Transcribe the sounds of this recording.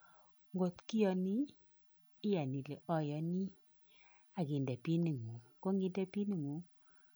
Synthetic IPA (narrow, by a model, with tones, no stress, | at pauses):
ŋɡo˨tkɪ˦jɔ˨niː˦ | ja˨ni˨le˨ʔɔ˦jɔ˨ni˦ | a˨ɡɪ˨ndɛ˨pi˦ni˨ŋo˨ko˦ŋɡɪ˦ndɛ˦pi˦ni˨ŋu˨˦